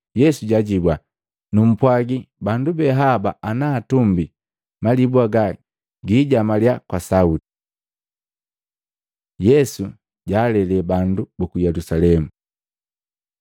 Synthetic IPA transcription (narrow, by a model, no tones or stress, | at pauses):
jɛsuɟaɟibwa | num̩pwaɡibandubɛɦaba̰ʔanaːtumbi | malibwaɡa | ɡiːɟamaljakwasauti | jɛsu | ɟaːlɛlɛbandubɔkujɛlusalɛmu